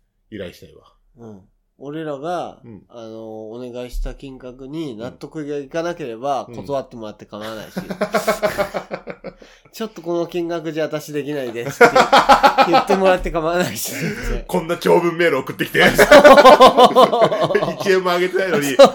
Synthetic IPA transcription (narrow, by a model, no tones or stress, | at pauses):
iɾa̰iɕi̥t̪aiβa | ɯ̟̃ɴ | o̞ɾe̞ɾaɡaː | no̞ːne̞ɡaiɕi̥t̪akʲĩŋɡakɯ̟ɲ̟inat̪ːo̞kɯ̟ɡaikanake̞ɾe̞bako̞t̪o̞βat̪ːe̞mo̞ɾat̪ːe̞kamaɾana̰ḭɕḭ | t͡ɕo̞t̪ːo̞ko̞no̞kʲĩŋɡakɯ̟ʑaat̪aɕid̪e̞kʲinaid̪e̞sɨ̥jɯt̪ːemo̞ɾat̪ːe̞kamaɾanaiɕi̥ekõ̞nːat͡ɕʲo̞ːbɯ̟̃mːe̞ːɾɯoːkɯ̥t̪ːe̞kʲi̥t̪eso | iiẽmːoaɡe̞t̪enainoɲio